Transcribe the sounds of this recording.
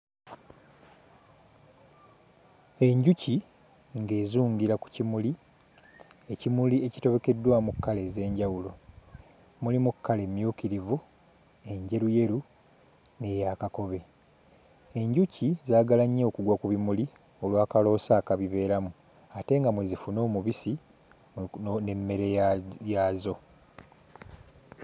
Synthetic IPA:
e̞ɲɟuci | ŋɡe̞ːzuːŋɟiɾaku̥cimuli | ecimulie̞ci̥to̞βe̞ke̞dːwamukːale̞ze̞ːɲɟawulo̞ | mulimukʰːale̞mːjuːkiɾivu | e̞ɲɟe̞ɾuje̞ɾu | ne̞jakako̞βe̞ | e̞ɲɟucizaːɡalaɲːeokuɡwakuβimuli | o̞lwaːkalo̞ːsaːkaβiβe̞ːɾamu | ate̞ŋɡamwezifuno̞ːmuβisi | ne̞mːe̞ɾejazo̞

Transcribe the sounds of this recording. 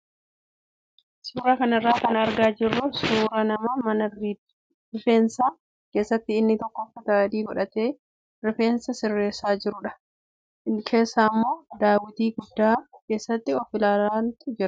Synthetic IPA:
suːɾɐkɐnɪrːaːkɐnɐɾɡaːd͡ʒɪrːʊsuːɾɐnɐmamɐnɐri | rɪfe̞ːnsaː | ke̞ːsːɐt̪ːɪɪnːɪt̪ɔkːɔfːɐt̪ad̪iːɡɔᶑɐt̪e̞ː | rɪfe̞ːnsɐsɪrːe̞ːsaːd͡ʒɪɾʊᶑɐ̥ | kʰe̞ːsːaːmːo̞ːd̪aːwɪt̪iːɡʊd̪ːaːke̞ːsːɐt̪ːɪɔfɪlaːlaːnt̪ʊd͡ʒɪɾɐ

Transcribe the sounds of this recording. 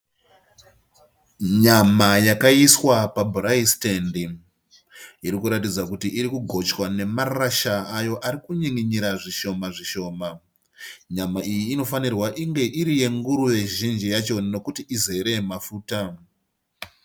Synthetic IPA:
ɲamajakaiswapabʱuraistendi | iɾikuɾatid͡zakutiʔiɾikuɡʱo̞t͡ʃwane̞maraʃaːjo̞ʔaɾikuɲiŋiɲiɾaʐiʃo̞maʐiʃo̞ːma | ɲamaʔijiːno̞fanirwaʔiŋɡe̞ʔiɾije̞ŋɡuɾuje̞ʒind͡ʒijat͡ʃo̞no̞kutiize̞ɾe̞mafuːta

